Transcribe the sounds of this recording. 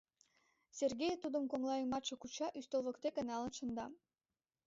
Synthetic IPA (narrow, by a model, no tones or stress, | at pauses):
sʲerɡʲejet̪ud̪umkoŋlˠɑjəŋmɑʃŏkut͡ɕɑʔyst̪olˠʁokt̪ekenɑlˠɯnʃɯ̆nd̪ɑ